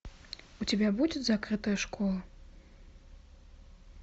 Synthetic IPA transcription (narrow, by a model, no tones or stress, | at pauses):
ut͡sʲabʲabud͡zʲɛt͡sʲzakɾɨt̪ɐjɐʂkɔlˠɐ